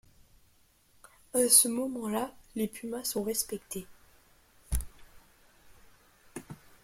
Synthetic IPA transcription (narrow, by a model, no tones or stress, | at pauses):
asəmɔmɑ̃lalepymasɔ̃ʁɛspɛkt̪ʰe